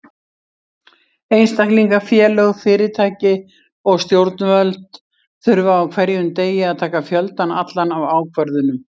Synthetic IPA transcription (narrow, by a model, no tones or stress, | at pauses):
ejnst̪ahkliŋkafjɛːlœɣfɪːɾɪt̪ʰaːjcɪ | ɔɣst̪jowɾt̪nvœlt̪ | θʏɾvaːwkʰvɛɾjʏnt̪eːjɪaðt̪ʰaːkafjœlt̪ana̰t̪lanawaːwkʰvœɾðʏnʏm